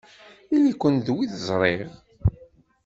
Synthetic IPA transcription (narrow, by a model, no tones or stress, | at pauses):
ilikʷːənðwiðəzˤɾˤeʁ